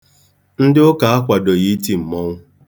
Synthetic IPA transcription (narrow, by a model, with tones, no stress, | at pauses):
n̩˦dɪ˦ʊ˦ka˨a˦kʷa˨do˨ɣi˦ti˨m̩˨mɔ˦ŋʷʊ˦